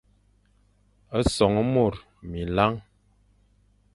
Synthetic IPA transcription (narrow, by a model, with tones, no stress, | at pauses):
ə˦sɔ˨ŋə˦mo˦˨ɾ | mi˨la˦ŋ